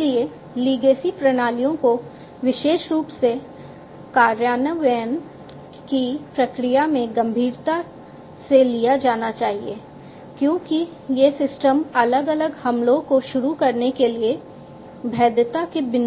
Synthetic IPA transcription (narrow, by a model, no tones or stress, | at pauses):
lie | liːɡeːsipɾɐñaːlijõko | ʋɪʃeːʃɾuːpse | kaːɾjaːnəʋɛːn | kipɾɐkɾijamẽɡɐ̃mbʱiːɾt̪a | selijad͡ʒaːnat͡ʃaːɦiḛː | kjõːki | jesɪsʈəmɐləɡɐləɡhɐmlõkoʃʊɾukɐɾnekelie | bʱɛːd̪ət̪akebɪn